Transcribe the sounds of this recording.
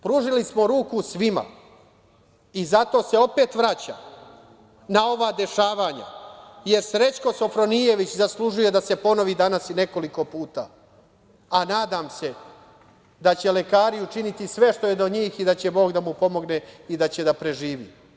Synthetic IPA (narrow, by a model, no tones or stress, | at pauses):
pɾuʒilismo̞ɾuːkusʋima̰ | izat̪o̞se̞o̞pe̞ːt̪ʋɾat͡ɕa̰ | nao̞ʋaːd̪e̞ʃaːʋaːɲa̰je̞ɾsɾe̞t͡ɕko̞so̞fɾo̞nije̞ʋit͡ɕzaslˠuʒuje̞d̪ase̞po̞no̞ʋid̪anasine̞ko̞liko̞puːt̪a̰ː | anaːd̪aːmse̞ | d̪at͡ɕe̞le̞kaːɾiut͡ʃinit̪isʋe̞ʃt̪o̞je̞d̪oɲiːxid̪at͡ɕe̞bo̞ːɡd̪amupo̞mo̞ɡne̞id̪at͡ɕe̞d̪apɾe̞ʒiːʋḭː